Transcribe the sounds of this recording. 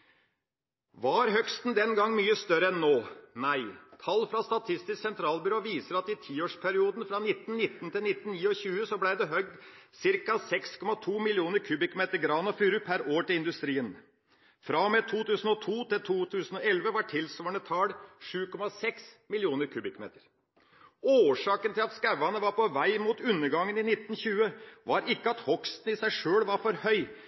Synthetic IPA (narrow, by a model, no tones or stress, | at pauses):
ʋɑɾɦœkst̪n̩d̪ɛnɡɑŋːmyːəst̪œɾəɛnːoːnæɪt̪ʰɑlːfɾɑst̪ɑt̪ʰɪst̪ɪsksɛnt̪ʰɾɑːlbʏɾoːʋiːsəɾɑt̪ɪt̪ʰiːoːʂpʰæɾɪuːd̪n̩fɾɑnɪt̪ːn̩nɪt̪ːnt̪ɪlnɪt̪ːn̩niːɔçʉːəsɔblæɪd̪ɛɦœɡ̚d̪sɪɾkɑsɛkskʰɔmɑt̪ʰuːmɪlɪuːnəɾkʰʉːbɪkmeːt̪əɾɡɾɑːnɔfyːɾʉpʰæɾoːʈɪlɪnd̪ʉst̪ɾiːən | fɾɑmeːt̪ʰuːt̪ʉːsən̩ɔt̪ʰuːt̪ɪlt̪ʰuːt̪ʰʉːsən̩ɔɛlʋəʋɑʈʰɪlsʋoːɳət̪ʰɑːlʂʉːkʰɔmɑsɛksmɪlɪuːnəɾkʰʉːbɪkmḛːt̪əɾ | oːʂɑːkənt̪ʰɪlɑt̪skæʋːɑnəʋɑɾpɔʋæɪmuːt̪ʉnːəɾɡɑŋːənɪnɪt̪ːn̩çʉːəʋɑːɾɪkːəɑt̪hɔkst̪n̩ɪsæɪʂøːlʋɑɾfɔɾhœʏ